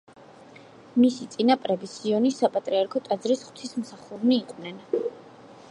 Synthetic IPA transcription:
misit̪sʼinapʼɾɛbisiɔnisapʼat̪ʼɾiaɾkʰɔt̪ʼad̪zɾisχw̥t̪ʰismsaχuɾmiːqʼwnɛn

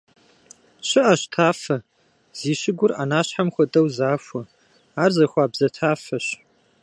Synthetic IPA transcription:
ɕɪʔɐɕtʰaːfɐ | z̥iːɕɪɡʷʊrʔa̰naːɕħamxʷɔdʼɐwzaːfʷɔ | aːrzɐxʷɑːbzɐtʰaːfɐɕ

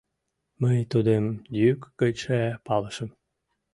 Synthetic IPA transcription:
məjt̪ud̪emj̪ykːət͡ɕæpɑləʃəm

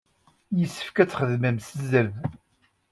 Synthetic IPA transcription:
jəsːə̥fkæt͡sːχəðmæmsəzəð

